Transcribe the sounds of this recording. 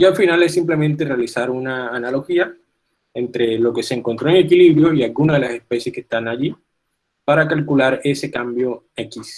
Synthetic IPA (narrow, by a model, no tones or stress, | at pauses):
alfinale̞sːimple̞mẽnt̪e̞realisaɾunaːnalo̞xia | ent̪ɾe̞lo̞ke̞se̞ːŋko̞nt̪ɾo̞eŋe̞kiliβɾjo̞ialɡunaðe̞lase̞spe̞sje̞skest̪anaʝi | paɾakalkulaɾe̞se̞kambjo̞ | e̞kis